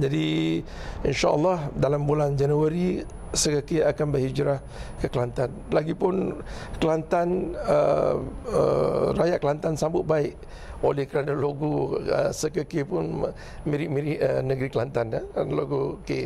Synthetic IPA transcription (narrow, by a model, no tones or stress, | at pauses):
d͡ʒadi | inʃaə̰lːɑhdalambuland͡ʒanuaɾi | səkəkeakanbərhid͡ʒɾah | kəkəlant̪anlaɡipʊnkəlant̪anə̰ | ə̰rajaʔkəlant̪ansambʊt̪̚baɪʔ | olɛhkəɾanaloɡoə̰səkəkepʊn | miɾɪʔ̚miɾɪʔənəɡɾikəlant̪anakanloɡoke